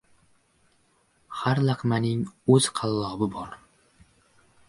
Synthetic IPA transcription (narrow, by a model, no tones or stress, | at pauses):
haɾlˠɑqʰmanɪŋɵz̥qʰɑlˠːɒbɪbɒɾ